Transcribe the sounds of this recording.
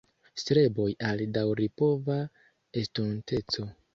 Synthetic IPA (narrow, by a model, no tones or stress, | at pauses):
stɾe̞bo̞jaldawɾipo̞va | estunte̞t͡so̞